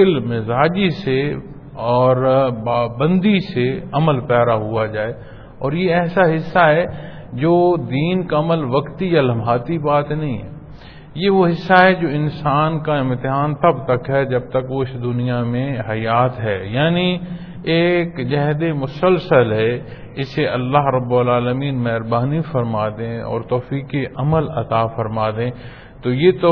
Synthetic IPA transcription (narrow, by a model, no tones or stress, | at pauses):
ɪlmɪzaːd͡ʒise | ɔːɾbaːbə̃nd̪iseɐməlpɛːd̪aɦuad͡ʒaːeː | ɔːɾjeɛːsaɦɪsːaɦɛ | d͡ʒoːd̪iːnkaɐməlʋɐkt̪ijalɐmʱaːt̪ibaːt̪nɐɦĩɦɛ̰ː | jeʋoɦɪsːaɦɛd͡ʒoːɪnsaːnkaɪ̃mt̪ɪɦaːnt̪ɐbt̪ɐkɦɛd͡ʒɐb̚t̪ɐkʋoɪsd̪ʊnijamẽɦɐjaːt̪ɦɛːjaːni | eːkd͡ʒɐɦd̪emʊsəlsəlɦɛ | ɪseʔɐlːaːɦɾɐbːʊlaːləmiːnmɛɦɾbaːnifɐɾmaːd̪ẽɔ̰ːɾt̪ɔːfiːkiʔɐməlɐt̪aːfɐɾmaːd̪ẽː | t̪ojet̪o